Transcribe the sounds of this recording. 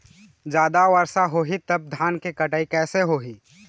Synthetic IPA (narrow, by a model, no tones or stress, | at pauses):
d͡ʒaːd̪aʋəɾsaɦoːɦit̪ɐb̚d̪ʱaːnkekɐʈaːikɛːseɦoːɦiː